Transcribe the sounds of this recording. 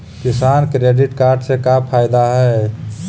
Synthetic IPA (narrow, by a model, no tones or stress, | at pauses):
kɪsaːnkɾeːɖɪʈkaːɾɖsekapʰaːɪd̪aɦɛ